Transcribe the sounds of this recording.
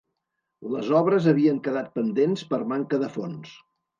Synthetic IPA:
ləzɔβɾəzəβiəŋkəðat̪̚pənd̪enspəɾmaŋkəðəfons

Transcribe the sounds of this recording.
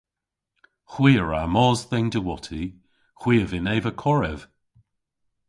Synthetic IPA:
xwiːəɹamɔːzðɛŋdəwɔtʰi | xw̥iːəvɪneːvəkʰɔɹɛv̥

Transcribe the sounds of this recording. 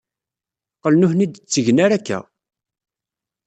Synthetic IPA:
qəlnʊhnid̪t͡sːəʝnaɾækːæ̰

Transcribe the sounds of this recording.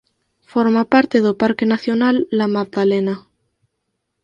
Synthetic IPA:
foɾmapaɾt̪eðopaɾkenaθjonalːamak̚ðalena

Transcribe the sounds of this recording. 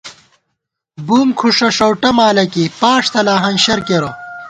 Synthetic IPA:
buːmkʰuʂɐʂɐwʈɐmaːlɐkipaːʂt̪ʰɐlaːɦɐnɕɐɾkeɾo

